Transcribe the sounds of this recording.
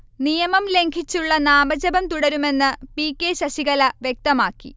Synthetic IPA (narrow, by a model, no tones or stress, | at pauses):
nijɐmɐmle̞ŋkʰit͡ɕːuɭːɐnaːbɐd͡ʑɐbɐmt̪uɽɐɾume̞nːɨpiːkːeɕɐɕiɣɐlɐʋjek̚t̪ɐmaːkːḭ